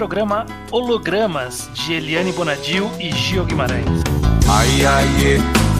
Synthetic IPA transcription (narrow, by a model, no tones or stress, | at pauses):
ɾoɡɾɐ̃mɐ | oloɡɾɐ̃mɐz | d͡ʒieliɐnibonad͡ʒiwiʒioɡimaɾɐ̰̃j̃ajaje